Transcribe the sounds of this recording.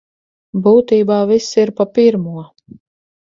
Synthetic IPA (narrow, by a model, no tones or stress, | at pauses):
buːt̪iːbaːvisiɾpapiɾmuɔ